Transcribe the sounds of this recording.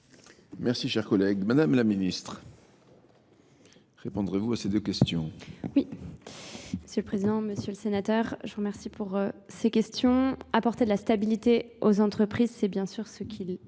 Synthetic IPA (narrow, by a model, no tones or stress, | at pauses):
mɛʁsiʃɛʁkɔlɛɡmad̪amlaminist̪χ | ʁepɔ̃d̪ʁevuased̪økʲɛst̪jɔ̃wi | məsjøləpχezid̪ɑ̃məsjøləsenat̪œʁʒəʁəmɛʁsipʰuʁsekʲɛst̪jɔ̃apɔʁt̪ed̪əlast̪abilit̪eozɑ̃t̪χəpχizsɛbjɛ̃syʁsəkʲʰil